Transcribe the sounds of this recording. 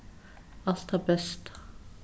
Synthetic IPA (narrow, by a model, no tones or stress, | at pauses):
ɑlt̪ɑbɛst̪